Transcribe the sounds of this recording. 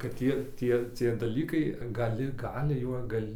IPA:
kɐt ˈtʲiɛ ˈtʲiɛ t͡sʲiɛ dɐˈlʲiːkɐɪ ɡɐˈlʲɪ ˈɡɑːlʲɪ juɔ ˈɡɐlʲ

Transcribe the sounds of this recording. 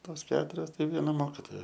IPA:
ˈtoːs ˈkʲæːtʊrʲoːs ˈtɐɪ ˈʋʲiɛnɐ ˈmoːkʲɪtoːjɛ

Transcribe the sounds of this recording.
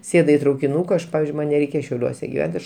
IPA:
ˈsʲeːdʊ ɪ trɐʊkʲɪˈnuːkɐ ˈɐʃ ˈpɑːʋʲɪzʲd͡ʒʲʊɪ ˈmɐn nʲɛˈrʲɛɪkʲɛ ʃʲɛʊˈlʲuɔsʲɛ ɡʲɪˈʋʲɛnt ˈɐʃ

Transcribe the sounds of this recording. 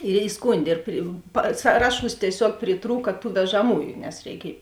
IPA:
ɪr ɪˈskʊnʲdʲeː ɪr pʲrʲɪ pɐ ˈsɑːrɐˌʃuːs tʲiɛˈsʲuɔk pʲrʲɪˈtruːkɐ tuː ʋʲɛʒɐˈmuːjʊ nʲɛs rʲɛɪˈkʲiɛj

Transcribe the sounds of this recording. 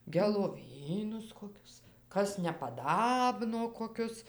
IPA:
ɡʲɛlˠoːˈʋʲiːnʊs koːˈkʲʊs ˈkɐs nʲɛpɐˈdɑːbnoː koːˈkʲʊs

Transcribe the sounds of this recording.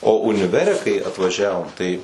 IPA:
oː ʊnʲɪˈʋʲæːrʲɛ kɐɪ ɐtʋɐˈʒʲæːʋoːm tɐɪ

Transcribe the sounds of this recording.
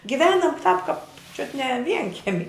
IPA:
ɡʲɪˈʋʲæːnɐm tɑːp kɐp t͡ʃʲʊt nʲɛ ˈʋʲiɛŋʲkʲɛmʲɪ

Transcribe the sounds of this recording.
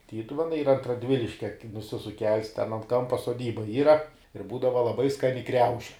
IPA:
ˈtʲiːtʊʋʲɛnɐɪ ˈiːrɐ ɐnt rɐˈdʲʋʲɪlʲɪʃʲkʲɛ nʊˈsʲɪsʊk kʲɛlˠs tʲɛn ɐnt ˈkɐmpɐ soːˈdʲiːbɐ ˈiːrɐ ɪr ˈbuːdɐʋɐ lˠɐˈbɐɪ ˈskɑːnʲɪ ˈkrʲɛʊʃʲɪ

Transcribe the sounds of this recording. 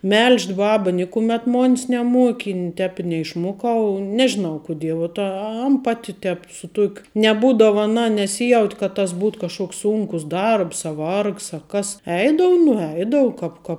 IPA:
ˈmʲɛlʲʃʲt ˈbɑːbɐ ˈnʲɪkʊmʲɛt ˈmoːnʲs nʲɛˈmuɔkʲɪ ɪ ˈtʲɛːp ɪ nʲɛɪʃˈmuɔkɐʊ ˈnʲæːʒʲɪnɐʊ kʊˈdʲiɛ ʋuɔt ɐ ˈɐn ˈpɑːtʲɪ ˈtʲɛp sʊ ˈtuɔkʲʊ nʲɛˈbuːdɐʋɐ ɐˈnɐ nʲɛˈsʲiːjɛʊtʲ kɐt tɐs ˈbuːtoː ˈkɑːʃkoːks ˈsʊŋkʊs ˈdɐrps ɐ ˈʋɐrks ɐ ˈkɐs ˈɛɪdɐʋʊ nʊˈɛɪdɐʋʊ kɐp kɐ

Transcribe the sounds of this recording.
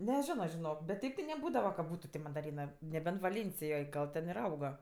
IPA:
nʲɛˈʒʲɪnoː ʒʲɪˈnoːk bʲɛt ˈtʲɛɪp tʲɪ nʲɛˈbuːdɐʋɐ kɐ ˈbuːtʊ tʲɪ mɐndɐˈrʲiːnɜ nʲɛˈbʲɛnt ʋɐˈlʲeːnʲsʲɪjoːj ˈɡɐlˠ tʲɛn ɪr ˈɐʊɡɐ

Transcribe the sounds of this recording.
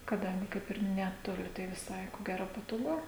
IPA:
kɐˈdɐŋʲɡʲɪ ˈkɐɪp ɪr ˌnʲæːtoːˈlʲɪ tɐɪ ʋʲɪˈsɐɪ koː ˈɡʲæːroː pɐtoːˈɡʊ

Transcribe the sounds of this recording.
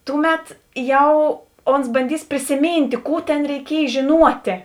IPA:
ˈtʊˌmʲɛt ˈjɛʊ ˈoːns bɐnʲˈdʲiːs pʲrʲɪsʲɪˈmʲiːnʲtʲeː ˈkuː tʲeːn rʲɛɪˈkʲiɛj ʒʲeːˈnuɔtʲeː

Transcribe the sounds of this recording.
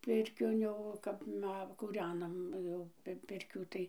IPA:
ˈpʲɪrʲkʲoːn jɛʊ ˈkɐp ˈmɐ kuːˈrʲæːnɐm jɛʊ ˈpʲɪrʲkʲuː tɐɪ

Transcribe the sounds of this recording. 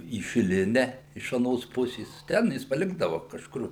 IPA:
iː ʃʲɪˈlʲɪnʲɛ ɪʃ ɐˈnoːs ˈpʊsʲeːs ˈtʲɛn jɪs pɐˈlʲɪɡdɐʋɐ kɐʃˈkʊr

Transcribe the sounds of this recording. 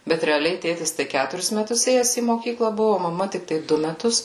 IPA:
bʲɛt rʲɛɐˈlʲɛɪ ˈtʲeːtʲɪs tɐɪ ˈkʲætʊrʲɪs mʲɛˈtʊs ˈeːjɛs iː moːˈkʲiːklˠɐ ˈbʊʋʊ oː mɐˈmɐ tʲɪkˈtɐɪ ˈdʊ mʲɛˈtʊs

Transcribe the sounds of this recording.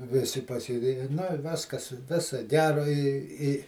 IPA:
ˈʋʲɪsʲɪ pɐsʲeːˈdʲeːjɛ nʊ ɪ ˈʋʲɪskɐs ˈʋʲɪsoː ˈɡʲæːroː ɪ ɪ

